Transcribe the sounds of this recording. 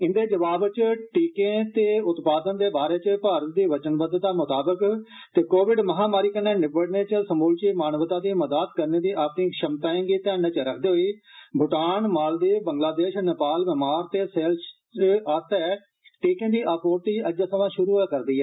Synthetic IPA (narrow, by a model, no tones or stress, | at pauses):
ɪnd̪eːd͡ʒəʋaːbt͡ʃʈiːkẽːt̪eːʊt̪paːd̪ənd̪eːbaːɾeːt͡ʃəpaːɾət̪̚d̪iːʋət͡ʃənbəd̪d̪aːmʊt̪aːbək | t̪eːkoːʋɪɖməɦãːmaːɾiːkənːeːnɪbəɽneːt͡ʃəsəmuːlt͡ʃiːmaːnʋət̪ãːd̪iːməd̪aːt̪kəɾneːd̪iːʔaːpnĩːʃəmt̪aːẽːŋɡiːt̪ɛːnet͡ʃəɾəkʰd̪eːɦoiːbʱʊʈaːnmaːld̪eːbəŋɡlaːd̪eːʃnɪpaːlmɛːmaːɾt̪eːseːls | ʔəɾt̪ɛː | ʈiːkẽːd̪iːʔaːpoːɾt̪iːʔəd͡ʒasəʋãːʃʊɾuːɦɛːkəɾd̪iːɦɛː